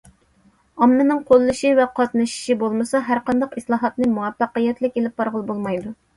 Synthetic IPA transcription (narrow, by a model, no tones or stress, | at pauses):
ɑmːɨnɨŋqʰolˠːɨʃivɛqʰɑt̪nɨʃi̥ʃibolˠmɨsɑɦæɾqɑnd̪ɑqislˠɑːɦɑt̪nɨmuwɛpːɑqəjɛt̪lɪkʲelɪp̚bɑɾʁəlˠbolˠmɑjd̪u